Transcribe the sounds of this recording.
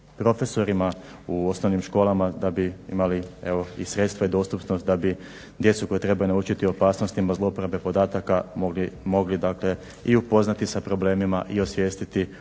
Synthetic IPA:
pɾo̞fe̞so̞ɾimauo̞sno̞ʋnimʃko̞ːlˠamad̪abiḭmalie̞ʋoisɾe̞t̪st̪ʋaid̪o̞st̪upnost̪̚d̪abi | d̪je̞t̪suko̞jet̪ɾe̞bajunaut͡ʃit̪io̞paːsno̞st̪imazlˠo̞pɾabe̞po̞d̪aːt̪akamo̞ɡlid̪aːkle̞ | iupo̞znat̪isapɾo̞ble̞ːmimaʔio̞sʋje̞ːst̪it̪i

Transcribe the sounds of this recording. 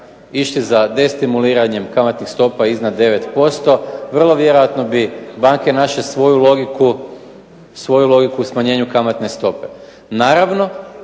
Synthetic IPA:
iʃt̪izad̪e̞st̪imuliːɾaɲe̞mkamat̪nixst̪o̞paiznad̪ːe̞ʋe̞t̪po̞st̪o̞ʋr̩lˠo̞ʋje̞ɾojat̪no̞bibaŋke̞naʃesʋo̞julo̞ɡiku | sʋo̞julˠo̞ɡikuusmaɲe̞ːɲukamat̪ne̞st̪o̞pe̞ | naːɾaʋno̞

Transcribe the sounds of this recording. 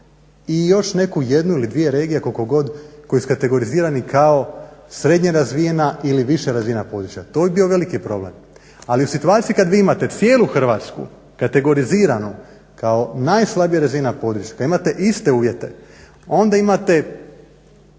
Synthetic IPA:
ijo̞ʃne̞kuje̞d̪nuilid̪ʋije̞ɾe̞ːɡijekolkoɡo̞d̪ko̞jisukat̪e̞ɡo̞ɾiziːɾanikʰao̞sɾe̞d̪ɲeɾazʋijenailiʋiʃeɾazʋinapo̞d̪ɾut͡ʃjat̪o̞bibio̞ʋe̞likipɾo̞ble̞̰m | aliusit̪uaːt̪sijikad̪ʋiːimat̪e̞t̪sje̞ːluxr̩ʋaːt̪skṵ | kat̪e̞ɡo̞ɾiziːɾano | kao̞najslˠabijaɾazinapo̞d̪ɾut͡ʃjakad̪imat̪e̞ʔist̪e̞uːʋje̞t̪e̞̰ | o̞nd̪aimat̪e̞

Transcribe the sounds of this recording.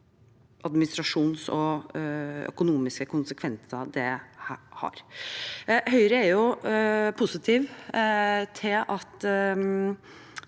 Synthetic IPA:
ʔɑd̪mɪnɪst̪ɾɑʂuːnsɔ | œ̰kʊnuːmɪskəkʰʊnsəkʰʋɛnsəd̪ɛhhɑ̰ɾ | hœʏɾəæɾjʊ | pʰʊsɪt̪ʰiːʋ | t̪ʰɪlʔɑt̪

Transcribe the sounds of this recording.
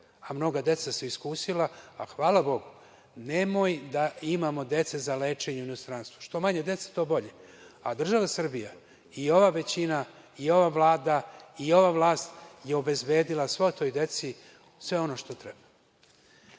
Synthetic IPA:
amno̞ɡad̪e̞t̪saseiskuːsilaaxʋaːlabo̞ɡu | ne̞mo̞jd̪aimamo̞d̪e̞t̪sezale̞ːt͡ʃe̞ɲuinost̪ɾaːnst̪vu̥ʃt̪o̞maɲed̪e̞t̪sḁt̪o̞ːbo̞ʎe̞ | ad̪r̩ʒaʋasr̩bija | io̞ʋaʋe̞t͡ɕina | io̞ʋaʋlaːd̪aio̞ʋavlˠaːst̪jeo̞be̞zbe̞ːd̪ilˠasʋo̞t̪o̞jd̪e̞t̪si | sʋe̞o̞no̞ʃt̪o̞t̪ɾeb̥ḁ

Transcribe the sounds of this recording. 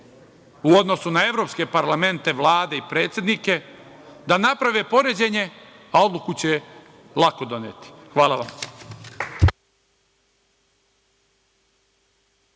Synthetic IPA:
uo̞d̪no̞sunae̞ʋɾo̞pske̞paɾlame̞nt̪e̞ʋlˠaːd̪e̞ipɾe̞ːt̪sʲje̞d̪nike̞ | d̪anapɾaʋe̞po̞ɾe̞d͡ʑeɲe̞ | ao̞d̪lukut͡ɕe | lˠako̞d̪o̞net̪i̥xʋaːlˠaʋam

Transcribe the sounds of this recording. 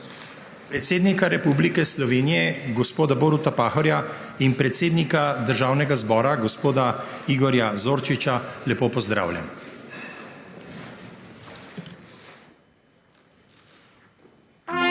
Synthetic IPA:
pɾɛt̪seːd̪nikaɾɛpublikɛslɔʋeːnijɛɡɔspoːd̪aboɾut̪apaːxɔɾja | inpɾɛt̪seːd̪nikad̪əɾʒaːwnɛɡazbɔːɾaɡɔspoːd̪aiɡɔɾjazoːɾt͡ʃit͡ʃalɛpoːpɔzd̪ɾa̰ːwlʲja̰m

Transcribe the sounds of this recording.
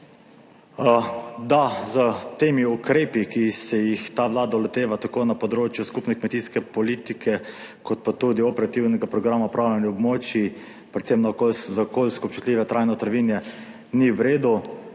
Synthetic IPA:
d̪azət̪eːmiukɾeːpikisɛjixt̪aʋlaːd̪aɔlɛt̪eːʋat̪akoːnapɔd̪ɾoːt͡ʃjuskupnɛkmɛt̪iːskɛpɔlit̪ikʰɛkɔt̪̚pat̪ud̪iɔpɛɾat̪iwnɛɡapɾɔɡɾamaɔpɾawlʲanjɛɔbmoːt͡ʃi | pɾɛt̪semnakolzakoːlʲskɔp̚t͡ʃu̥t̪lʲiːʋɛt̪ɾajnɔt̪əɾʋinjɛ | niwɾeːd̪u

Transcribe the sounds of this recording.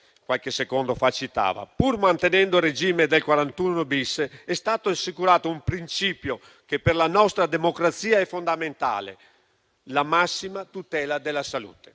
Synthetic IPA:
kwalkesekond̪ofat͡ʃːit̪a̰ːva̰purmant̪enɛnd̪ored͡ʒiːmed̪elkwaɾant̪unobisːɛst̪aːt̪oasːikuɾaːt̪oumpɾint͡ʃiːpjo | k̟epːerlanɔst̪ɾad̪emokɾat̪sːiːaɛfːond̪ament̪a̰ːlḛ | lamasːimat̪ut̪ɛːlad̪elːasalṵːt̪e̥

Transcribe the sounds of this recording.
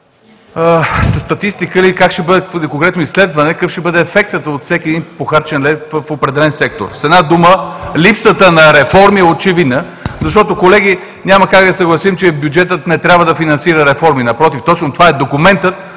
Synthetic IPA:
əsst̪ɐt̪ist̪ikəlikakʃɛbɤd̪ɛkoŋkɾɛt̪noisːlɛd̪vɐnɛkəfʃt̪ɛbəd̪ɛːfɛk̚t̪ət̪ot̪sɛkiɛd̪inpoxaɾt͡ʃɛnlɛvfopɾɛd̪ɛlɛnsɛk̚t̪o̰ɾsɛd̪nad̪uməlipsət̪ənɐɾɛfɔɾmiɛot͡ʃɛvid̪nə | zɐʃ̬t̪ɔt̪okolɛɡi | nʲaməkak̚d̪ɐsəɡlˠɐsimt͡ʃɛbjud͡ʒɛt̪ət̪nɛt̪ɾʲabvəd̪ɐfinɐnsiɾəɾɛfɔɾminɐpɾɔt̪ift̪ɔt͡ʃnot̪ovaɛd̪okumɛnt̪ət̪̚

